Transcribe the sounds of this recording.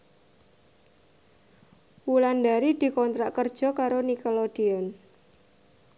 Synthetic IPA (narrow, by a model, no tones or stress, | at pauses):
wuland̪aɾid̪̥i̤kɔnt̪ɾaʔkərd̥ʒ̥ɔ̤kaɾonikɔlɔd̪̥iɔn